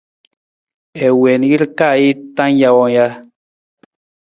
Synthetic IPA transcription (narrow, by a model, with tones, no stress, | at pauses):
ɛ˨wɛ˨n˨ɡi˦lka˦˨i˦t̪ã˦ŋ˦ja˧wɔ˧˦ja˧